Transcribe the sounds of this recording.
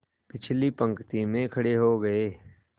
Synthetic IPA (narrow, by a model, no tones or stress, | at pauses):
pɪt͡ʃʰlipɐ̃ŋkt̪imẽkʰɐɽeɦoɡɐeː